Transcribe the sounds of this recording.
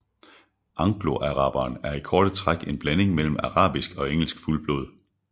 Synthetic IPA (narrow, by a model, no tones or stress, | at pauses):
ʔɑ̈ŋɡ̥lo̝ʔæʁɑ̈ːb̥ɐːnæɐikʰɒːɾ̥ət͡sʰʁaɡ̥e̝nb̥læne̝ŋmel̰m̩ɑʁɑ̰̈ːb̥isɡ̥ɒ̽eŋ̰l̩sɡ̥fulb̥lo̰ːð̞ˠ